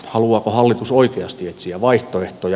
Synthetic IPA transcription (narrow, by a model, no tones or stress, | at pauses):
hɑluɑːkohɑlːit̪usoikeɑst̪iet̪siæʋɑiht̪oeht̪oj